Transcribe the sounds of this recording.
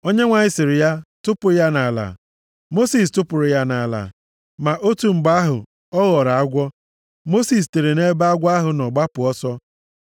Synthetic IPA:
o˦ɲe˦ŋʷa˨ɲɪ˦sɪ˨ɾɪ˨ja˦tʊ˦pʊ˨˦ja˦na˨la̰˨ | mo˦si˨stʊ˦pʊ˨ɾʊ˨ja˦na˨a˨la̰˨ | ma˨ʔo˦tu˨ŋ͡m̩˨ɡ͡ba˦ɦʊ̰˨ | ɔ˦ɣɔ˨ɾa˨a˦ɡʷɔ˦ | mo˦si˨s̬te˨ɾe˨ne˦ba˦a˦ɡʷa˦ɦʊ˨nɔ˨ɡ͡ba˦pʊ˨ɔ˦sɔ˦

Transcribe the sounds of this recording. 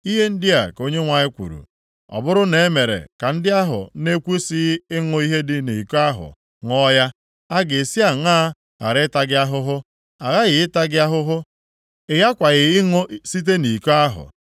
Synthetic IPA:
i˦ɦe˦n̩˦dɪ˦a̰˨ko˦ɲe˦ŋʷa˨ɲɪ˦kʷṵ˨ɾṵ˨ | ɔ̰˨bʊ˦ɾʊ˦ne˨e˦me˨ɾḛ˨ka˨n̩˦dɪ˦a˦ɦʊ̰˨˦ne˦kʷu˦si˦ɪ˦ŋʊ˦i˦ɦe˦dɪ˦ni˨ka˦ɦʊ̰˨ | ŋɔ˦ja˦ | a˦ɡe˨e˨si˦a˨ŋaː˦ | a̰˨ɾɪ˦ta˦ɡɪ˦a˦ɦʊ˦ɦʊ˦ | a˨ɣa˦ɣɪ˨ɪ˦ta˦ɡɪ˦a˦ɦʊ˦ɦʊ˦ | ɪ˨ɣa˦kʷa˨ɣɪ˨ɪ˦ŋo˦si˦t̬e˦ni˨ko˦a˦ɦʊ̰˨

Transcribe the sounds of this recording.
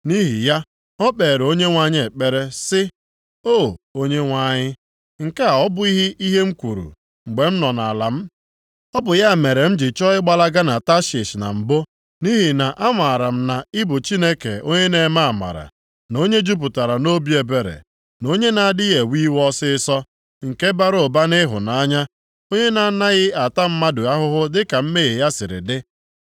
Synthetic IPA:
ni˦ɦi˨ja˦ | ɔ˦k͡pe˨ɾo˦ɲe˦ŋʷa˦˨ɲ˦e˨k͡pe˦ɾe˦sɪ˦ | o˦˨o˦ɲe˦ŋʷa˦˨ɲɪ˦ | ŋ̩˨ka˦˨ɔ˦bʊ˦i˦ɦi˦ʔi˦ɦe˦ŋ͡m̩˦kʷu˨ɾṵ˨ | ŋ͡m̩˨ɡ͡be˨m̩˦nɔ˨na̰˨la˨m̩˦ | ɔ˦bʊ˨ja˦˨me˨ɾe˨m̩˦d͡ʒɪ˨t͡ʃɔ˦ɪ˦ɡ͡ba˨la˦ɡa˦na˨ta˦ʃɪ˨ʃna̰˨m̩˨bo˦ | ni˦ɦi˨na˨ʔa˦ŋʷa˨ɾa˨m̩˦na˨ɪ˦bʊ˨t͡ʃi˦ne˦kḛ˨o˦ɲe˦ne˨˦ma˦a˨ma̰˨ɾa̰˨ | no˦ɲe˦d͡ʒu˦p̬ʊ˨ta˨ɾa˨no˦bi˦e˨be˨ɾḛ˨ | no˦ɲe˦na˨dɪ˦ɣe˨wi˦wɔ˦sɪ˦ɪ˦sɔ˦ | ŋ̩˨ke˦ba˦ɾo˨ba˦nɪ˦ɦʊ̰˨na˨˦ɲa˦ | o˦ɲe˦na˨na˦ɣɪ˦a˨ta˦m̩˦ma˦dʊ˨a˦ɦʊ˦ɦʊ˦dɪ˦ka˨m̩˦me˦ɣe˨ja˦sɪ˨ɾɪ̰˨dɪ˦

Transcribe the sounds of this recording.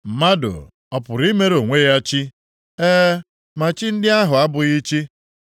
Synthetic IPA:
m̩˨ma˦dʊ̰˨ | ɔ˨pʊ˨ɾi˦me˦ɾo˨ŋʷe˦ja˦t͡ʃi˦ | eː˦ | ma˨t͡ʃi˦n̩˦dɪ˦a˦ɦʊ˨a˦bʊ˨ɣi˦t͡ʃi˦

